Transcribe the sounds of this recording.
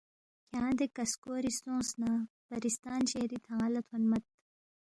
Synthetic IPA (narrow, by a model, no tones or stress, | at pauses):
kʰjãːd̪ekɐskoːɾist̪õːsnaːpɐɾist̪aːnɕehɾit̪ʰãːlɐt̪ʰɐnmɐt̪̚